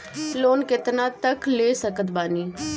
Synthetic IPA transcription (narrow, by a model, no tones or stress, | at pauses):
loːnkɪt̪nat̪əkleːsəkət̪baːniː